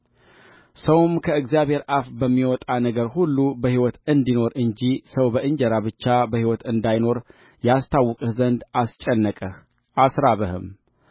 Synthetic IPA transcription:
səwmkʰəɨɡzijaβhe̞ɾʔafbəmːiwɔt̪ʼanəɡəɾhulːubəhiwɔt̪ɨnd̪ino̞ɾʔɨɲd͡ʒisəwbəʔɨɲd͡ʒəɾaβɨt͡ʃːabəhiwɔt̪ɨnd̪ajno̞ɾ | jast̪ʰawːɔkʼɨhzənd̪ʔast͡ʃʼɛnːəkʼəh | ʔasɾaβəhɨ̰m

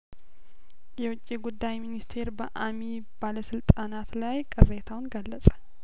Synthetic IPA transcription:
jɛwʊt͡ʃʼːiɡud̪ːajminist̪ʰe̞ɾbəʔami | b̥aləsɨlt̪ʼanat̪lajkʼɨrːet̪ʰawnɡəlːəsʼə̥

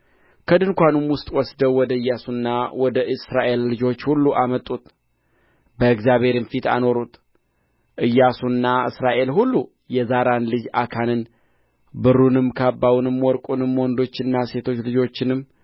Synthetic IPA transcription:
kʰəd̪ɨnkʷanumwʊst̪ʼwɔsd̪əwːɔd̪əɨjːasunːawɔd̪əʔɨsɾaʔe̞lːɨd͡ʒo̞t͡ʃːhulːuʔamət̪ʼːut̪ | bəɨɡzjaβe̞ɾɨmfit̪a̰no̞ɾut̪ | ʔɨjːasunːaɨ̰sɾaʔe̞lɦulːu | jɛzaɾanlɨd͡ʒakʰanɨn | bɨɾunɨmkʰabːawunɨmwɔɾkʼunɨmwɔnd̪o̞t͡ʃːɪnːase̞t̪ʰo̞t͡ʃːlɨd͡ʒo̞t͡ʃːɪnɨmː

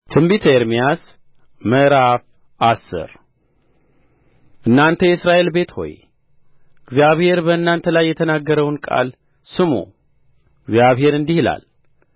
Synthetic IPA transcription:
t̪ʰɨmbit̪ʰeɾmijas | məɾaf | ʔasːɨ̰ɾ | ʔɨnːant̪ʰəjɛsɾaʔe̞lbe̞t̪ho̞̰j | ɨɡzjaβhe̞ɾbəɨnːant̪ʰəlajːɛt̪ʰənaɡːəɾəwnkʼa̰l | sɨmo̰ | ɨɡzijaβhe̞ɾɨnd̪ihɨla̰l

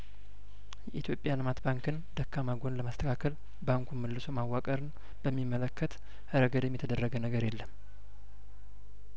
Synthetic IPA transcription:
jɛʔit̪ʰjo̞pʼjalɨmat̪baŋkɨnd̪əkʰːamaɡo̞nləmast̪ʰəkʰakʰəl | baŋkʰuməlːɨso̞mawːakʼəɾɨn | b̥əmːimːələkʰːət̪ | həɾəɡəd̪ɛmːjɛt̪ʰəd̪ərːəɡənəɡəɾjelːəm

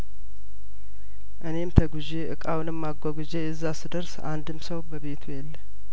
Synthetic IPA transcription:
ʔɨne̞mt̪ʰəɡuzeʔɨkʼawnɨmːaɡʷaɡuzeɛzːasɨd̪əɾsa̰nd̪ɨmsəwbəβe̞t̪ʰujɛlː

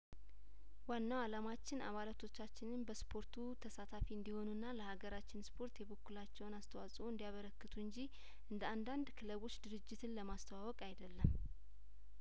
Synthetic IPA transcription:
wanːawalamat͡ʃːɪna̰βalat̪ʰo̞t͡ʃːat͡ʃːɪnɨnbəspʰo̞ɾt̪ʰut̪ʰəsat̪ʰafiɨnd̪iho̞nunːaləhaɡəɾat͡ʃːɪnspʰo̞ɾt̪jɛβokːulat͡ʃːɛwnast̪ʰəwasʼoɨnd̪ijaβəɾəkːɨt̪ʰuɨɲd͡ʒi | ʔɨnd̪əand̪and̪kʰɨləβo̞t͡ʃːd̪ɨɾɨd͡ʒːɪt̪ʰɨnləmast̪ʰəwawɔkʼajd̪əlːəm

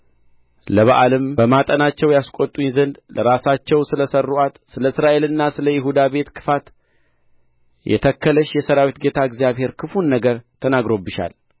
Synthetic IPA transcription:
ləβaʔalɨmbəmat̪ʼənat͡ʃːɛwjaskʼot̪ʼuzənd̪ləɾasat͡ʃːɛwsɨləsərːuʔat̪sɨləɨsɾaʔe̞lɨnːasɨləjɪɦud̪abe̞t̪kʰɨ̥fat̪ | jʔɛ̰t̪ʰəkːələʃjɛsəɾawit̪ɡe̞t̪ʰaɨɡzijaβhe̞ɾkʰɨfunːəɡəɾt̪ʰənaɡɾo̞bːɨʃa̰l

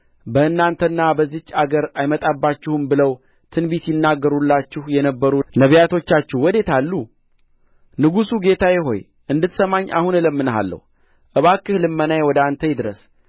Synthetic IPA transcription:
bəɨnːant̪ʰənːabəzːit͡ʃːaɡəɾajmət̪ʼabːat͡ʃːɪhɨmbɨləw | t̪ʰɨnbit̪jɪnːaɡːəɾulːat͡ʃːɪhjɛnəbːəɾunəβjat̪ʰo̞t͡ʃːat͡ʃːuhwɔd̪e̞t̪ʰalːu | nɨɡusuɡe̞t̪ʰajɪɦo̞̰j | ʔɨnd̪ɨt̪səmaɲːʔa̰hunɨləmːɨnəɦa̰lːə̰h | ʔɨβakːɨhlɨmːənajwɔd̪ant̪ʰəjd̪ɨɾəs

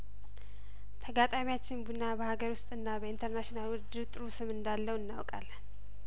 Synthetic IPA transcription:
t̪ʰəɡat̪ʼamijat͡ʃːɪnbunːabəhaɡəɾwʊst̪ʼɨnːabəint̪ʰəɾnaʃinalwʊd̪ɨt̪ʼɨɾusɨmɨnd̪alːəwɨnːa̰wkʼalː

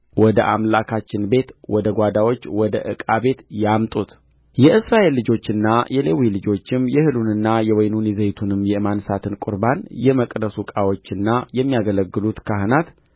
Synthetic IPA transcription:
wɔd̪əʔamlakʰat͡ʃːɪnbe̞t̪wɔd̪əɡʷad̪awo̞t͡ʃːwɔd̪ə̰ʔɨkʼabe̞t̪jamt̪ʼut̪ | jɛʔɨsɾaʔe̞lːɨd͡ʒo̞t͡ʃːɨnːajɛlewilɨd͡ʒo̞t͡ʃːɪmjɛhɨlunɨnːajɛwɔjnunizejt̪ʰunɨmːjɛmansat̪ʰɨnkʷʼʊɾbanjɛməkʼd̪əsukʼawo̞t͡ʃːɨnːajɛmːijaɡələɡːɨlut̪kʰaɦɨnat̪

